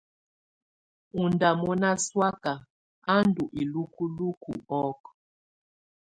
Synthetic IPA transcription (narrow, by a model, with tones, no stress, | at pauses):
u˨nda˨mɔ˦na˦swa˦ka˨ | a˦ndu˨ʔi˨lu˦ku˦lu˦kṵ˨ɔ˦k